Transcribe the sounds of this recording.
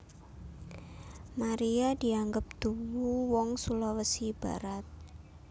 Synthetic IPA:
maɾiadi̤aŋɡəp̚d̪̥uwuwɔŋsulɔwəsib̥a̰ɾat̪̚

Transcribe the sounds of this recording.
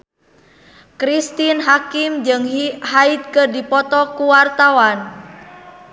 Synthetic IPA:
kɾist̪inɦakimd͡ʒɨŋhait̪̚kərdipɔt̪ɔkuwart̪awan

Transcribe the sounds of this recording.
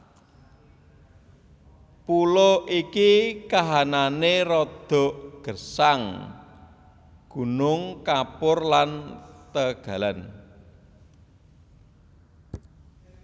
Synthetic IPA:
puloikikaɦananeɾɔd̪̥ɔ̤ʔɡ̥ə̤saŋ | ɡ̥ṳnʊŋkapʊrlant̪əɡ̥a̤lan

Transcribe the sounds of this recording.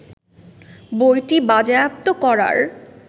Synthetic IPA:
bojʈibad͡ʑajap̚t̪okɔɾa̰ɾ

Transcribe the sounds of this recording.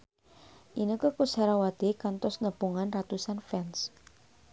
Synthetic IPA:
ʔinəkəkusaɾawad̪̥ekant̪ɔsnəb̥uŋanrat̪usanfɛns

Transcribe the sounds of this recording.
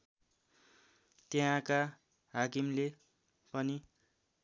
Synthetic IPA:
t̪eɦãka | ɦakimle | pʌni

